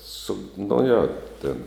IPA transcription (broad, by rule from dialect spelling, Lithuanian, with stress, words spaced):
ˈsʊ nʊ ˈjoː tʲeːn